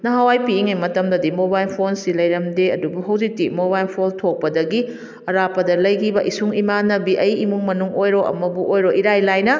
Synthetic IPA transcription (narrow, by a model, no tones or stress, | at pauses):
nɐɦawajpiːŋɐjmɐtɐmdɐdimobajlpʰonsilɐjɾɐmdeɐdubuɦɐwzik̚tːimobajlpʰontʰok̚pɐdɐɡi | ɐɾapɐdɐlɐjkʰibɐʔisuŋimanɐbiʔɐjimuŋmɐnuŋojɾoʔɐ̰mɐbuʔojɾoʔiɾajlajnɐ